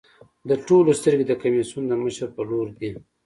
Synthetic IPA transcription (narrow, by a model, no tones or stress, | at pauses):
d̪əʈolost̪əɾɡed̪əkamisund̪əməʃəɾpəloɾd̪i